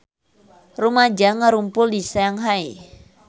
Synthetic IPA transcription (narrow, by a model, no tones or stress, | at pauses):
rumad͡ʒaŋaɾumpʊldisajaŋɦai